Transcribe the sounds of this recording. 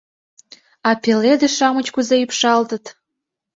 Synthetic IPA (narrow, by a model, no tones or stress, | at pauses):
ɑpeled̪eʃɑmət͡ɕkuzeypʃɑlt̪ə̆t̪